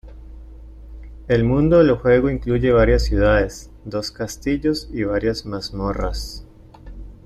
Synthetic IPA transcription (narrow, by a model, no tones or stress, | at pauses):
e̞lmũnd̪o̞ðeloxwe̞ɣoiŋkluʝe̞βaɾjasːjuðaðe̞s | d̪o̞skast̪iʝo̞siβaɾjazmazmora̰s